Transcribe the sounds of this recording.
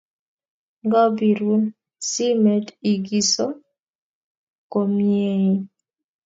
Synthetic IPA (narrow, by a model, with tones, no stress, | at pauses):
ŋɡa˦bi˨ɾu˦n | si˦me˨ti˨ɡi˦so˦ | ko˨mje˦i˦